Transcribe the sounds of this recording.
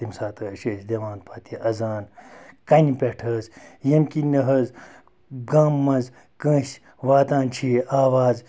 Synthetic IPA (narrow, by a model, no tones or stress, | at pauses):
imsaːt̪ʰɐʃeːsd̪eʋãːnpʰɐt̪ʰiʔɐzaːnkɐnʲipʲeʈʰɐzjɐnkinɐɦɐz | ɡaːmːɐ̃nz | kə̃ːs | ʋaːt̪ãːnt͡ʃʰiːaːʋaːz